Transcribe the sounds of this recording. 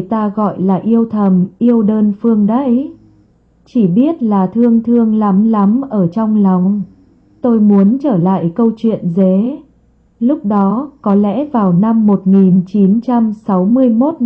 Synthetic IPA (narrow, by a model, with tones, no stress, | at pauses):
t̪aː˧ɣɔ̰˧˨jlaː˨˩ʔi˧əwt̪ʰə˨˩mʔi˧əwɗəː˧nfɨ˧əŋɗə˧˦j | t͡ɕi˧˩ɓi˦˥ət̚laː˨˩t̪ʰɨ˧əŋt̪ʰɨ˧əŋla˨˦mla˨˦mʔəː˧˩t͡ɕɔ˧wŋ͡mla˨˩wŋ͡m | t̪o˧jmu˨˦ənt͡ɕəː˧˩la̰ː˧˨jkə˧wt͡ɕwḭ˧˨ənze˨˦ | lʊ˦˥k͡p̚ɗɔ˨˦kɔ˨˦lɛ̰˧˥vaː˨˩wna˧mːo˨˩t̚ŋi˨˩nt͡ɕi˨˦nt͡ɕa˧msa˨˦wmɨ˧əjmo˦˥t̚